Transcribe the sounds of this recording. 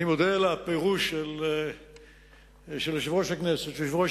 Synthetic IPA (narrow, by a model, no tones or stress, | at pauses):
imod̪elapeʁuʃel | ʃelʃivʁoʃakneset̪ʃeʃivʁo